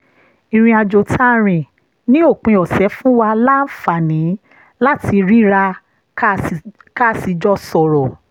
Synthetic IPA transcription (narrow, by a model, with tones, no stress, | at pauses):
ĩ˧ɾ̃ĩ˧a˧d͡ʒo˨tʰa˦ɾ̃ĩ˨ | nĩ˦o˦˨k͡pĩ˧ɔ˨sɛ˨˦fũ˦wa˧la˦n̩˦fa˨nĩ˨˦ | la˦tʰi˧ɾi˦ɾa˧˦ | ka˦˨si˧d͡ʒɔ˦sɔ˨ɾɔ˨